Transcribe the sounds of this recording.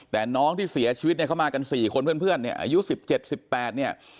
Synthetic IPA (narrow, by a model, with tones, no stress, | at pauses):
t̪ɛː˨˩nɔː˦˥ŋt̪ʰiː˥˩si˩˦ɐt͡ɕʰiː˧˦˥t̪̚n˥˩ka˦˥wmaː˧ka˧nsiː˨˩kʰo˧npʰənpʰɯ˥˩ənːi˥˩ɐʔa̰ː˧ju˦˥si˨˩p̚t͡ɕe˨˩t̪̚si˨˩pːɛː˨˩t̪̚ni˥˩ə